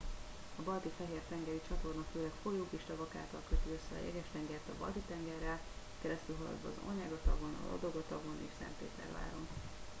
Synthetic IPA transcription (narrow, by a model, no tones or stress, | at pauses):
ɒbɒlt̪ifɛɦeːrt̪ɛŋɡɛɾit͡ʃɒt̪o̞rnɒføːlɛkfo̞joːkiʃt̪ɒvɒka̰ːlt̪ɒlkøt̪iøsːɛɒ̰jɛ̰ɡɛʃt̪ɛŋɡɛrt̪ɒbɒ̰lt̪it̪ɛŋɡɛrːɛlkɛɾɛst̪ylɦɒlɒ̰d̪vɒ̰ːzorɲaɡɒt̪ɒɡo̞nɒ̰lɒ̰d̪o̞ɡɒt̪ɒɡo̞nḛːʃsɛ̰nt̪ːḛːt̪ɛ̰rva̰ːɾo̞n